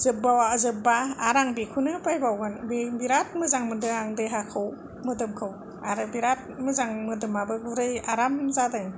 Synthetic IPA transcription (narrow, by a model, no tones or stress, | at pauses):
zɯbawazɯbaːɾaŋbikʰunɯpajbawɡɯnbibiɾat̚mɯzaŋmɯdɯaŋdɯjɦakʰɯw | mɯdɯmkʰɯw | aɾɯbiɾat̚mɯzaŋmɯdɯmabɯɡuɾɯjaɾamzadɯŋ